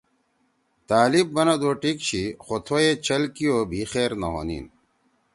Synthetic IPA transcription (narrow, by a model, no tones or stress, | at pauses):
t̪aːlib̚ːɐnɐd̪oːʈikɕixot̪ʰoet͡ɕʰɐlkijoːbʱixeːɾnɐ̰ɦo̰ːnḭːn